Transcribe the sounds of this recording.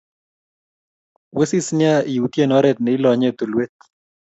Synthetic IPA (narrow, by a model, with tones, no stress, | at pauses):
we˦si˦snɪ˦a˦i˨u˨t̪je˦nɔ˦ɾɛ˦˨t̪̚nɛ˨i˦lɔ˨ɲe˦t̪o˨lwe˦t̪̚